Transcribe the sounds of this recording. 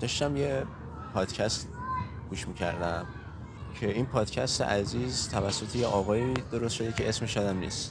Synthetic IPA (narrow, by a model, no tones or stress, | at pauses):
d̪̥ɒʃt̪æmje̞ | pʰɒːd̪̥cʰæst̪ | ɡ̥uːʃmicʰæ̰ɾd̪æm | cʰe̞inpʰɒːd̪̥cʰæst̪ḛʔæziːzt̪ʰævæsːo̞t̪ʰejeʔɒːɣɒːid̪o̞ɾost̪ʃo̞d̪e̞cʰe̞esmeʃɒːd̪æmnḭːst̪